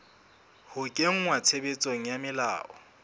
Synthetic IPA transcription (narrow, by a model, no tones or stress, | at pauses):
hʊkʼeŋ̩ŋwat͡sʰebet͡sʼoŋ̩jamɪla̰ːʔɔ̰